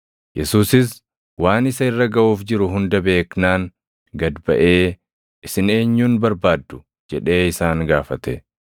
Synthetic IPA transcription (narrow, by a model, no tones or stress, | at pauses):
jɛsuːsɪs | waːnɪsɐɪrːɐɡɐʔuːfd͡ʒɪɾʊɦʊnd̪ɐbeːknaːŋ | ɡɐd̪bɐ̰ʔe̞ː | ɪsɪne̞ːɲːuːnbɐɾbaːd̪ːʊ̥ | d͡ʒɛᶑe̞ːɪsaːŋɡaːfɐt̪ɛ